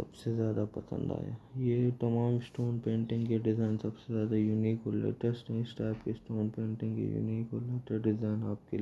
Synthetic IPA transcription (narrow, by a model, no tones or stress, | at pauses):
sɐbsezjaːd̪apɐsə̰̃nd̪a̰ːja̰jet̪ɐmaːmɪsʈoːnpẽːɳʈɪ̃ŋɡkeɖɪzaːɪnsɐbsezjaːd̪ajuniːkɦolḛʈəɾsʈɛ̃ɪsʈaːpkesʈoːnpẽːɳʈɪ̃ŋɡkḛjṵniːkɦoleːʈəɾɖɪzaːɪnaːp̚kel